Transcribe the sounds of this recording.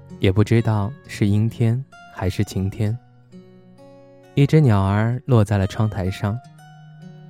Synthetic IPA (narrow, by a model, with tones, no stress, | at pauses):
jɛ˨˩pu˥˩ʈ͡ʂɻ̩˥t̪ɑ˥˧ʊʂɻ̩˥˩i˥ŋt̪ʰjɛ˥nxa˧˥ɪʂɻ̩˥˩t͡ɕʰi˧˥ŋt̪ʰjɛ˥n | i˥˩ʈ͡ʂɻ̩˥njɑ˨˩ʊə˞˧˥lwɔ˥˧t͡sa˥˩ɪlə˩ʈ͡ʂʰwɑ˥ŋt̪ʰa˧˥ɪʂɑ˥˩ŋ